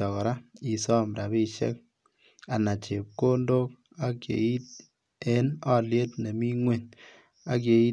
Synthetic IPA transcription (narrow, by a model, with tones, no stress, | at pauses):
ɔ˨kɔ˨ɾa˦i˨sɔ˦˨m˨ɾa˨βe˦ʃḛ˦k̚ | a˨na˨t͡ʃe˨p̚ko˦ndo˦k̚ | a˦kjḛ˨i˦t̚ | e˦nɔ˦lje˦tne˨mi˦ŋwe˨n | a˨˦k̬je˨i˦